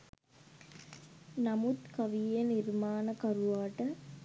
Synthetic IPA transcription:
nɐmut̪kɐʋijeniɾmaːnɐkɐɾuʋaːʈə

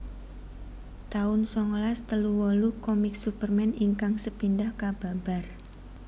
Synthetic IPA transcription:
t̪aʊnsɔŋlast̪əluwɔlukɔmɪksupərmɛniŋkaŋsəpindahkab̥a̤b̥a̤r

